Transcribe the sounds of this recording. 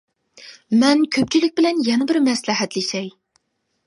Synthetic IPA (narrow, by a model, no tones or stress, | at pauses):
mɛnkʲʰøp̚t͡ʃʰilɪk̚ʲbɪlɛnjɛnɪbɪɾmɛslɨɦɛt̪lɪʃɛj